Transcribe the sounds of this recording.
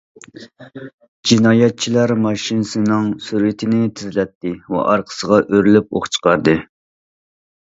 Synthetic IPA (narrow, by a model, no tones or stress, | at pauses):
d͡ʒinɑːjɛt̪̚t͡ʃʰilæɾmɑʃinɨsɨnɨŋsyɾwɪt̪ʰɪnɪt̪ʰɪzlɛt̪ʰːɪwɛ̰ʔɑɾqʰə̥səʁɑʔøɾylyp̚o̰χt͡ʃʰə̥qʰɑɾd̪ɨ